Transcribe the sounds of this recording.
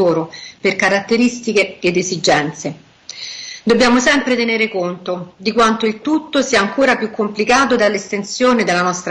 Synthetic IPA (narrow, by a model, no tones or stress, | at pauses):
oːɾoperkaɾat̪ːeɾist̪ikeːd̪ezid͡ʒɛnt̪se | d̪obːjaːmosɛmpɾet̪eneːɾekont̪od̪ikwant̪oilt̪ut̪ːosiːaːŋkoːɾapjukːomplikaːt̪od̪alːest̪ensjoːned̪elːanɔst̪ɾ